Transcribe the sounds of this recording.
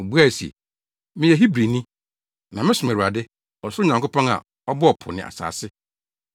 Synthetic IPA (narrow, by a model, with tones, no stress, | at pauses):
bu˦a˦˨si˨ḛ˨ | mɪ̃˦jɛ˨ɦi˦bɾi˨nĩ˦ | nã˨mɪ̃˦sʊ˨m˨æ˨u˨a˨dɪ˦ | ɔ˨sʊ˦ɾʊ˦ɲã˨ŋkʊ˦pʰɔ̃˦ŋa̰˨ | ɔ˦bʊ˦ɔ˨pʰʊ̰˨nɪ̰̃˨ʔa̰˨sa̰ː˨sɪ˦